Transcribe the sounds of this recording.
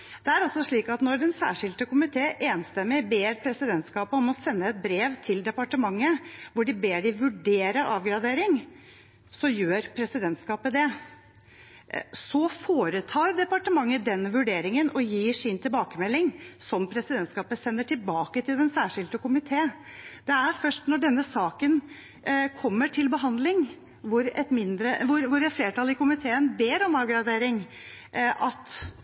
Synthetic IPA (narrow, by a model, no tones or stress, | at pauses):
d̪̥ɛæɾɑlsɔʂɭiːkɑt̪nɔɾd̪ɛnsæ̰ːʂɪld̪əkʊmɪt̪ʰeːʔeːnst̪ɛmːɪbeːɾpʰɾɛsɪd̪ɛnt̪skɑːpəɔmɔsɛnːəɛt̪̚bɾeːʋt̪ʰɪld̪ɛpɑʈəmɑŋːəʋʊɖɪbeːɖɪʋʉɖeːɾəʔɑːʋɡɾɑd̪eːɾɪŋ | sɔjøːɾpʰɾɛsɪd̪ɛnt̪skɑːpəd̪ɛ | sɔfoːɾət̪ʰɑːɾd̪ɛpɑʈəmɑŋːəd̪ɛnːʋʉɖeːɾɪŋənʔɔjiːʂɪnt̪ʰɪlbɑːkəmɛlːɪŋsɔmpʰɾɛsɪd̪ɛnt̪skɑːpəsɛnːəʈʰɪlbɑːkət̪ʰɪlɛnsæːʂɪlt̪əkʊmɪt̪ʰeː | d̪̥ɛæɾfœʂʈnɔɖɛnːəsɑːkən | kʰɔmːəʈʰɪlbəɦɑnd̪lɪŋ | ʋʊɾɛ̰t̪mɪnd̪ɾəʋʊɾʋʊɾɛt̪fleːʈɑlɪkʊmɪt̪ʰeːənbeːɾɔmɑːʋɡɾɑd̪eːɾɪŋ | ʔɑt̪